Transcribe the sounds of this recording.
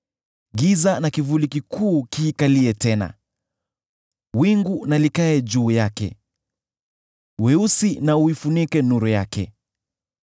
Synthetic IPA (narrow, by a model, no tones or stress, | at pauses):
ɡizanakivulikikʰuːkiːkaliɛtɛna̰ | wiŋɡunalikaɛd͡ʒuːjakɛ̰ | wɛusinauifunikɛnuɾɔjakɛ̰